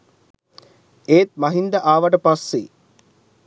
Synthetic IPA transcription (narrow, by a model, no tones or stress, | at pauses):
eːt̪̚mɐɦind̪aʔaːʋɐʈəpasːḛ